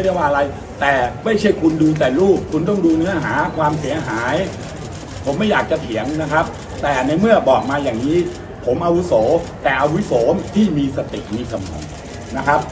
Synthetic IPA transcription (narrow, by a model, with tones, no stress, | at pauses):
da˥˩jwaː˩ʔɾa˧j | t̪ɛː˨˩ma˥˩jt͡ɕʰa˥˩jkʰu˧nduː˧t̪ɛː˨˩luː˥˩p̚kʰu˧nt̪̬ɔ˥˩ŋduː˧nɯ˦˥ɐɦaː˩˦kʰwaː˧msi˩˦ɐɦaː˩˦j | pʰo˩˦mːa˥˩jaː˨˩k̚t͡ɕa˨˩t̪ʰi˩˦əŋna˦˥kʰa˦˥p̚ | t̪ɛː˨˩na˧jmɯ˥˩ɐbɔː˨˩k̚maː˧jaː˨˩ŋniː˦˥ | pʰo˩˦mʔa˧wu˦˥soː˩˦t̪ɛː˨˩ʔa˧wu˦˥soː˩˦mt̪ʰiː˥˩miː˧sa˧t̪i˨˩t̪̚miː˧˩sa˧mɔ̰ː˨˩˦ŋ | na˦˥kʰa˦˥p̚